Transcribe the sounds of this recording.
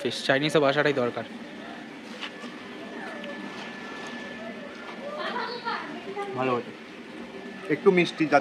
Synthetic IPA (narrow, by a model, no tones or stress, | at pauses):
fiʃt͡ɕajnisɔbaʃ̬aʈajd̪ɔɾkaɾ | bʱaloɦot͡ɕʰe | ek̚ʈumisʈid͡ʑa